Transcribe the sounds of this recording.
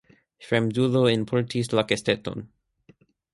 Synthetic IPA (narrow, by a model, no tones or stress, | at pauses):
ʃɹɛ̃mduðoɪ̃npʰɔɹtʰislakɛst̪ɛtɔ̰̃n